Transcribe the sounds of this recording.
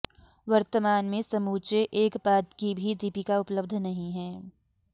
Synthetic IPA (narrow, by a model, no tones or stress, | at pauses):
ʋɐɾt̪əmaːnmẽsɐmuːt͡ʃeʔeːkbaːd̪kibʱid̪iːpikaʊpləbd̪ʱnɐɦĩɦɛː